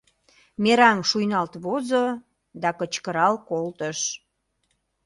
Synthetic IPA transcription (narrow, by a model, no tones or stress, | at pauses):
meɾɑŋʃujnɑlt̪βozo | d̪ɑkət͡ɕkəɾɑlkolt̪əʃ